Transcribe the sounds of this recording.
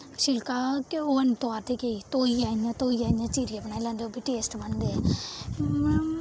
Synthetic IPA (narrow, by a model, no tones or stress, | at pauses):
ʃɪlkaːkoːənt̪oaːt̪ʰeːkeit̪oːiaːnãːt̪oːijaːnãːt͡ʃiːɾiəpnaːilãːnd̪eoːbʱiːʈeːsʈbənd̪eːɛ